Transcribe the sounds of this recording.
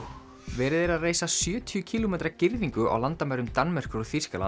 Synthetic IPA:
vɛːɾɪðɛɾaðreːjsasjœːt̪ʰijʏcʰiːlomeːjt̪ɾacɪɾðiŋkʏʔa̰wlant̪amɛɾʏmt̪anmɛr̥kʏɾɔθir̥skala̰

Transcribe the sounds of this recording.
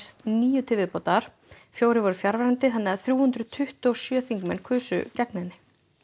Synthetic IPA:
sniːjʏt̪ʰɪːvɪðpoːt̪aɾ̥ | fjoːwɾɪvɔɾʏfjaɾvaɾant̪ɪθanːɛaðθɾjuːhʏnt̪ɾʏt̪ʰʏht̪ɔɔsjœːθiŋkmɛnkʰʏːsʏ̰cɛknɛnːɪ

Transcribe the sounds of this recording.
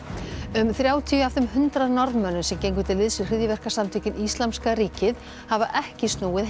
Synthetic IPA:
ʏmθɾjaːwt̪ʰiawfðʏmhʏnt̪ɾaðnɔɾðnmœnːʏmsɛmcejŋk̬ʏt̪ʰɪlːɪðsɪɾrɪðjɪvɛr̥kasamt̪ʰiːcɪnist̪lamskaɾiːcɪð | havaʔɛhcɪst̪nuːwɪð

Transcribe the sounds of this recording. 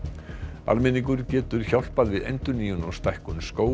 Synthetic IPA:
a̰lmɪniŋk̬ʏɾcɛːt̪ʏɾ̥çawl̥paðvɪðḛjnt̪ʏniːjʏnɔst̪ajhkʏnskoːw

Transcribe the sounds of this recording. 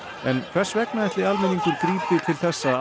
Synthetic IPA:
ɛnkʰv̥ɛrsvɛknaðɛht̪lɪalmɛniŋkʏɾkɾiːpɪt̪ʰɪlθɛsːa

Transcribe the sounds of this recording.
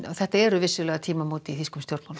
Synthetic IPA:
θɛht̪aɛɾʏvɪsːʏlɛɣat̪ʰiːmamuːt̪iθiskʰɔmst̪jowɾt̪mawl

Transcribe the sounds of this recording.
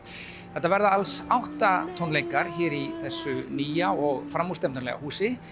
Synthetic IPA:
θɛht̪ːavɛɾðaalsawht̪at̪ʰɔnleːjkaɾ̥çɛːɾiθɛsːʏniːjaɔɣfɾamːust̪ɛmt̪ʏnlɛ̰ɣa̰huːsɪ

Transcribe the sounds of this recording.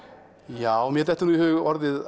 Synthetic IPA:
jawmjɛɾt̪ɛht̪ːənuhœʏɔɾðɪð

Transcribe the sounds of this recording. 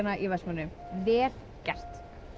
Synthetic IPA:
naʔivɛsmʏnːʏvɪð | cɛr̥t̪

